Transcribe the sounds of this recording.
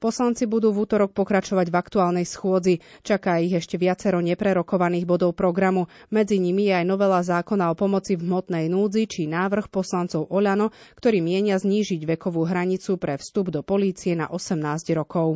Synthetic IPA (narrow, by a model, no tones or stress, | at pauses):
pɔslant͡sibud̪uːvuːt̪ɔɾɔk̚pɔkɾat͡ʃɔʋaɟvakt̪uaːlˠnɛjsxʊɔd͡zit͡ʃakaːiɣɛʃcɛʋɪat͡sɛɾɔɲɛpɾɛɾɔkɔʋaniːɣbɔd̪ɔʊpɾɔɡɾamumɛd͡ziɲimijɛajnɔʋɛlazaːkɔnaɔpɔmɔt͡sivɦmɔt̪nɛjnuːd͡zit͡ʃinaːʋr̩xpɔslant͡sɔʊʔɔʎanɔkt̪ɔɾiːmɪɛɲɪazɲiːʒiɟʋɛkɔʋuːɦɾaɲit͡supɾɛfst̪ubd̪ɔpɔliːt͡siɛna̰ʔɔsɛmnaːzɟɾɔkɔʊ